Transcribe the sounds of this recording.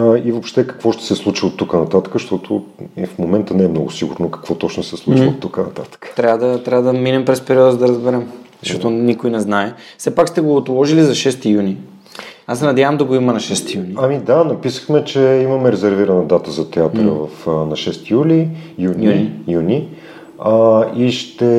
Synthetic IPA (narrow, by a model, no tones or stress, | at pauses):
ivopʃt̪ɛkɐ̥kvɔʃt̪ɛ̥sɛslˠut͡ʃiot̪ːukənɐt̪at̪ə̥kəʃt̪ɔt̪ʰo̰ifmomɛnt̪ənɛːmnɔɡʊsiɡʊ̰ɾnokɐ̥kvɔt̪ɔt͡ʃnosɛslˠut͡ʃiot̪ːukənɐ̰t̪at̪ə̥kə̥t̪ɾʲavəd̪ɐt̪ɾʲavəd̪ɐminɛmpɾɛspɛɾiɔd̪əzd̪ɐɾɐzbɛɾɛmzzʃtɔt̪onikojnɛznaɛfsɛpakst̪ɛɡoːt̪lˠɔʒilizɐʃɛst̪ijuni | asːɛnɐd̪javɐmd̪ɐɡoimənɐʃɛst̪ijuniɐmid̪anɐpisə̥xmɛt͡ʃɛimɐmɛɾɛzɛɾviɾɐnəd̪at̪əzɐt̪ɛat̪ɾəvɐfnɐʃɛst̪ijulijununijuni | iʃt̪ɛ